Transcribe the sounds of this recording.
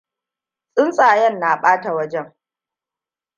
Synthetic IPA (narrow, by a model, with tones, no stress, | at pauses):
sʼɪ˦nsʼaː˨jɛ˦˨nːa˨ɓaː˦ta˨wɐ˦d͡ʒɛ˦ŋ